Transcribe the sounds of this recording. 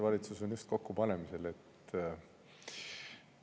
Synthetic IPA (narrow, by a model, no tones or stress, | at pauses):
vɑlʲit̪suso̞njust̪̚ko̞kːupɑne̞mise̞le̞t̪ː